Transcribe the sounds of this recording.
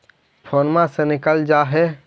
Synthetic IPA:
pʰoːnmãsenɪkəld͡ʒaɦɛ

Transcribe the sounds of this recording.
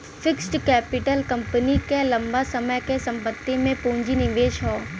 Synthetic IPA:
fʰɪksʈkɛːpɪʈəlkɐ̃mpənikelɐ̃mbasɐməjkesɐ̃mpət̪ːimẽpũːɲd͡ʒinɪʋeːʃɦɔː

